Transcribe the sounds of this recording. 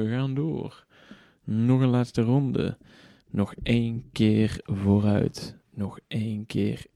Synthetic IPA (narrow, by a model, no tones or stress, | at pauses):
əɣaːndo̰ːr | nɔɣənlaːtstərɔndə̰ | nɔxejnkɪːrvoːrœ̰ɥt | nɔxejnkɪ̰ːr